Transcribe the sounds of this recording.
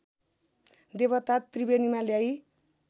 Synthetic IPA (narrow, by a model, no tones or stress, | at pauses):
d̪eβʌt̪at̪ːribenimaljai